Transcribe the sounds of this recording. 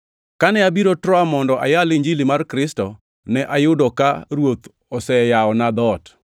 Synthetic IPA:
kanɛabiɾotɾɔamɔndɔʔa̰jalɪɲd͡ʒilimarkɾɪstɔ | nɛʔajʊdɔkaɾwot̪ | ɔsɛjaɔnad̪ɔt

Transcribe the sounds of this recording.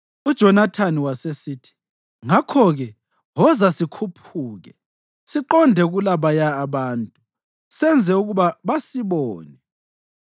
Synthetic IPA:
ud̥ʒ̥ʱɔnatʰaniwasesiːtʰi̥ | ŋakʰɔɣɛ | ɦɔzasikʰupʰuːɣɛ̰ | siǃɔndʱɛɣulaβajaːβaːntʼu | sɛnd͡zʱɛuɣuβaβasiβɔːnɛ

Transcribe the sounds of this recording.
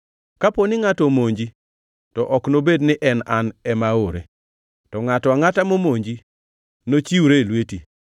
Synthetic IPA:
kaponɪŋatɔmoɲd͡ʒi | tɔʔɔknobednɪʔɛnanɛmaoɾḛ | tɔŋatɔaŋatamomoɲd͡ʒi | not͡ʃiwɾelweti

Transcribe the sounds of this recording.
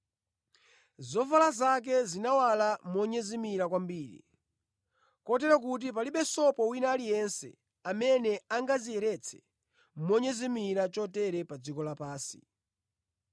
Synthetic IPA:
zɔfalazak̬ɛzinawalamɔɲɛzimiɾak̬wambiːɾḭ | kɔt̬ɛɾak̬ut̬ip̬aliɓɛsɔpɔwinaːlijɛnsɛ̰ | amɛnɛaŋɡazijɛɾɛt͡sʰɛ̥̰ | mɔɲɛzimiɾat͡ʃɔtɛɾɛpad͡zikɔlapaːsi̥̰

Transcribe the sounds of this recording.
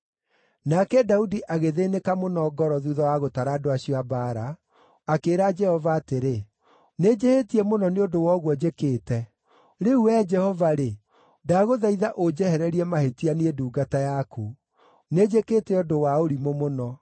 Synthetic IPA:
nakɛdaudiʔaɣeðeːnekamonɔɡɔɾɔðuðɔwaɣotaɾaːdoaɕiɔabaɾa | akeːɾad͡ʒɛhɔvaːteɾe | ned͡ʒehetiɛmonɔneodowɔɣwɔd͡ʑekeːtɛ | ɾeuɛd͡ʒɛhɔvaɾe | daɣoðaiðaʔod͡ʒɛhɛɾɛɾiɛmahetianiɛduːɡatajakʰu | ned͡ʒekeːtɛɔdowaoɾimomonɔ

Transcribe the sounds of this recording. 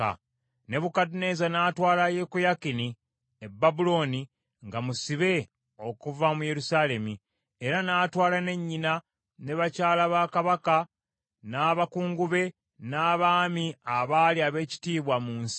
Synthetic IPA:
a̰ | ne̞βukadune̞zanaːtwaːlaje̞kojakini | ebːabulo̞ni | ŋɡamusiβe̞ | o̞kuvamuje̞ɾusaːle̞mi | eɾanaːtwaːlane̞ɲːina | ne̞βacaːlaβakaβaka | naːβakuːŋɡuβe̞ | naːβaːmiaβaliaβe̞ːci̥tiːβwamuːns

